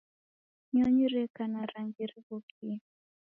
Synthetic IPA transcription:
ɲɔɲiɾɛkanaɾaŋɡiɾiβɔkʰi

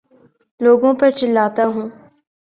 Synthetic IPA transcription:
loːɡõpɐɾt͡ʃɪlːaːt̪aːɦũː

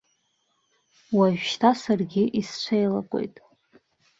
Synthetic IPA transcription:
waʒᶣʃtʰasarɡʲɪʔist͡ɕʷʰejlakʷʼo̞̰jtʼ

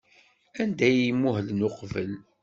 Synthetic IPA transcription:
ænd̪æjimːuɦəlnʊqvəl

